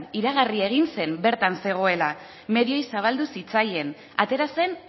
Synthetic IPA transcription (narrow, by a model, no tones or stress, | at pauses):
niɾaɣ̞arie̞ɣ̞inse̞nbe̞ɾt̪anse̞ɣ̞o̞e̞la | me̞ðio̞jsaβ̞ald̪usit͡saje̞n | a̰t̪e̞ɾase̞n